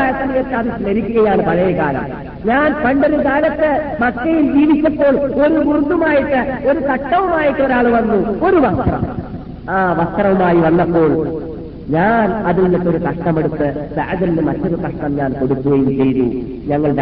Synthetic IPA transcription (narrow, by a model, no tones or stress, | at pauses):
jɐt̪ːɐnieːt̪ːɐðislɐɾikʲːuɣɐjaːɳɨpɐɻɐjɐkaːɾɐm | ɲaːnpɐɳɖeɾud̪aːlɐt̪ːɨmɐkːɐjild͡ʑiːʋit͡ɕːɐpːo̞ːɭo̞ɾuɡurd̪umaːjiʈːɨo̞ɾut̪ɐʈːɐʋumaːjiʈːɨo̞ɾaːɭʋɐnːuo̞ɾuʋɐst̪rɐ̰m | aːʋɐst̪rɐʋumaːjiʋɐnːɐpːo̞ːɭ | ɲaːnɐðilnek̪ːo̞ɾukɐʂʈɐme̞ɽut̪ːɨsɐɐðɐnnɨmɐtːɐðukɐʂʈɐmɲaːnko̞ɽuk̪ːuɣɐjumt͡ɕe̞jnṵ | ɲɐŋːɐɭɖ